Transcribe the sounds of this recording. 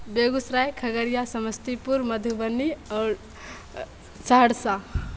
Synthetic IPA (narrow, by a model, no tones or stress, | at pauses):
beɡusɾajkʰəɡəɾijasəməst̪ipuɾməd̪ʱubənːiɔːɾ | saɦɽsa